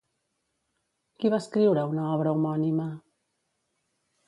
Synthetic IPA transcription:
kiβaskɾiwɾəunaɔβ̞ɾaumɔnima

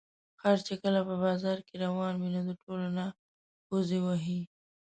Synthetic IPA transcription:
xaɾt͡ʃekəlapəbɑzɑɾkeɾawɑnminad̪əʈolona | pozewaɦi

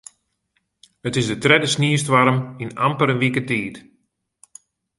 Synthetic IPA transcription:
hətɪsdətrɛdəsniəstʋaɾəmina̰mpəɾənʋikətiːt

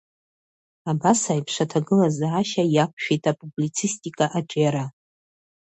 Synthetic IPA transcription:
abasajpʰʂʷatʰaɡɨlazaːʃajakʷʼʰʃᶣejtʰʼapʼublit͡sʰistʼikʼaʔaʈ͡ʂʼjaɾa

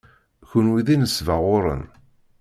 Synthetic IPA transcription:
çʊnwiðinəsvəʁʊɾˤə̰n

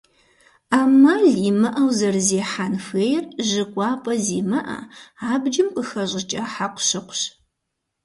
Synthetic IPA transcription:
aːmɐɮiːmɐʔɐwzɐrzeːħanfeːjrʒɨkʷʼɑːpʼɐziːmɐʔɐ̰aːbd͡ʒɪmqəxɐʑʼɪt͡ʃʼɐħaqʷʊɕɨqʷɕ

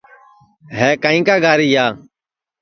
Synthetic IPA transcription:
ɦɛːkaːĩːkaːɡaːɾiːjaː

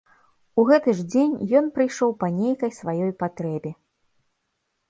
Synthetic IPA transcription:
uɣɛt̪ɨʐd͡zʲenʲjɔnpɾɨjʂɔwpɐnʲejkɐjsvajɔjpat̪ɾɛbʲi

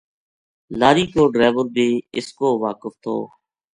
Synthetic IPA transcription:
laːɾiːkoːɖɾeːʋəɾbʱeːɪskoːʋaːkəft̪ʰo̰ː

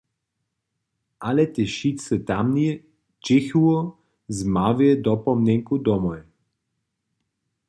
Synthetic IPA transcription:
alɛt̪ɛʃit̪sət̪amnie | t͡ʃɪçuɔ | zmaviɛd̪ɔpɔmnʲɛŋkud̪ɔmɔɛ

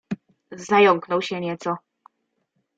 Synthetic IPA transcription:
zajɔŋknɔwɕɛɲɛt̪sɔ

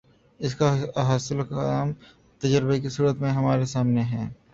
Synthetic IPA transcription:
ɪskaɦaːsɪlkːm | t̪ɐd͡ʒəɾɪbek̬isuːɾət̪mẽɦɐmaːɾesaːmneɦɛ̃ː

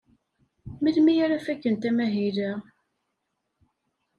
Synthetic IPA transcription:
milmijaɾafækːənt̪æmæɦilə

